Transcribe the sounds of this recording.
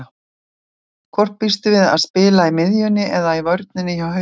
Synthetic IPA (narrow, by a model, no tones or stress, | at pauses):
kʰvɔr̥pːist̪ʏvɪða̰ðspɪːlaimɪðjʏnːɪʔɛðaivœɥɾt̪̚nɪnːɪçawhœ